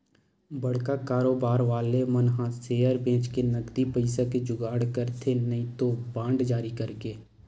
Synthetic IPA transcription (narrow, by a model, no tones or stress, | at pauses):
bɐɽ̤kakaːɾoːbaːɾʋaːlemənɦãseːəɾbʱẽːt͡ʃkenɐɡd̪ipəɪsaked͡ʒʊɡaːɽkəɾt̪ʰenɐĩt̪obãːɳɖd͡ʒaːɾikɐɾkeː